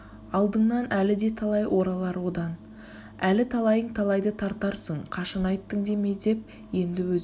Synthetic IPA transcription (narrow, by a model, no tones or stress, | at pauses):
ɑlˠd̪əɴnɑnʔælɪd̪e̞t̪ʰɑlˠɑjwʔo̞ɾɑlˠɑɾwo̞d̪ɑn | ælɪt̪ʰɑlˠɑjəɴt̪ʰɑlˠɑjd̪ət̪ʰɑɾt̪ɑɾsəɴqʰɑʃɑnɑjt̪ːəŋd̪e̞me̞d̪e̞p̚ | je̞nd̪ɪwɵz